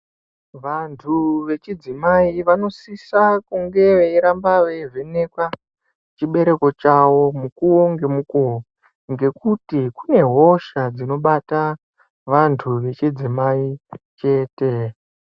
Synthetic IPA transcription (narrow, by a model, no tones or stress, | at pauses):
ʋantʰuʋe̞t͡ʃid͡zimaiʋano̞sisakuŋɡe̞ʋeiɾambawe̞ʐe̞ne̞kwa | t͡ʃiɓe̞ɾe̞ko̞t͡ʃawo̞mukuwo̞ŋɡe̞muko | ŋɡe̞kutikune̞ɦo̞ʃad͡zino̞ɓata | ʋantʰuʋe̞t͡ʃid͡zimait͡ʃe̞ːte̞